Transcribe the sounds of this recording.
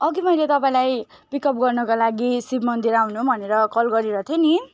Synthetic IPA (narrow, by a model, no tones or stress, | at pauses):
ʌɡimʌjlet̪ʌpaĩlaj | pikʌp̚ɡʌrnʌkalaɡisibmʌnd̪iɾawnubʱʌneɾʌkʌlɡʌɾiɾʌt̪ʰjeni